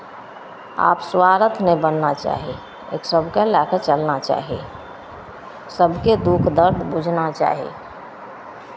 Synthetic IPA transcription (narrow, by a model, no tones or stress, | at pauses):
a̰ːpswaːɾət̪ʰnebənːat͡ʃa̰ːɦi | ḛːksəbʱkalaket͡ʃəlnat͡ʃa̰ːɦiḛ | səbʱked̪ukʰd̪əɾd̪ʱbud͡ʒʱnat͡ʃa̰ːɦḭ